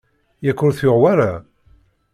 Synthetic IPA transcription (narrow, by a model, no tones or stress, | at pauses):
jækːʊɾθjʊʁwaɾa